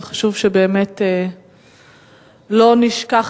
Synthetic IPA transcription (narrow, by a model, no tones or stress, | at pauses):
χḁʃuvʃebeːmete | lo̞niʃkaχ